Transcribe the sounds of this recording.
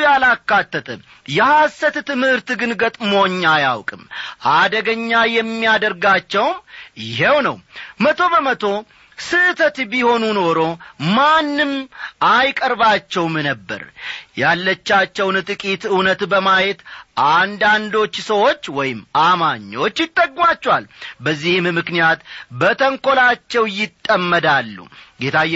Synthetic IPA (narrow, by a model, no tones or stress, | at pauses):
jalakːat̪ːət̪ʰʼə | jɛhasət̪t̪ɨmhɨɾt̪ɡɨnɡət̪ʼmo̞ɲːajawkʼɨmʔad̪əɡəɲːajɛmːiad̪əɾɡat͡ʃːɛwmjɪɦewnə̰wmət̪ʰo̞bəmət̪ʰo̞ | sɨt̪ʰət̪biho̞nuno̞ɾo̞manːɨmʔajkʼəɾbat͡ʃːɛwmnəbːə̰ɾjalːət͡ʃːat͡ʃːɛwnt̪ʼɨkʼit̪ɨwnət̪bəmajet̪ʔand̪and̪o̞t͡ʃːsəwo̞t͡ʃːwɔjɪmamaɲːo̞t͡ʃːjɪt̪ʼːəɡːmat͡ʃːwalbəzːihmmɨknijat̪bət̪ʰəŋko̞lat͡ʃːɛwjɪt̪ʼːəmːəd̪alːṵɡet̪ʰaj